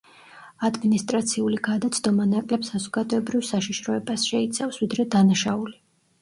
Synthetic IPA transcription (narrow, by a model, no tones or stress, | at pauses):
ad̪minist̪ʼɾat̪sʰiuliɡ̥ad̪at̪sʰd̪ɔmanakʼlɛpsazɔɡ̥ad̪ɔɛbɾivsaʃiʃɾɔɛbasʃɛit̪sʰafsvid̪ɾɛd̪anaʃauli